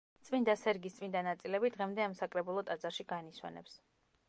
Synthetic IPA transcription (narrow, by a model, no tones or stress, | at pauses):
t̪sʼvind̪asɛɾɡist̪sʼvind̪anat̪sʼilɛbid̪ʁɛmd̪ɛamsakʼɾɛbulˠɔt̪ʼad̪zaɾʃiɡaniswɛ̰nɛ̰ps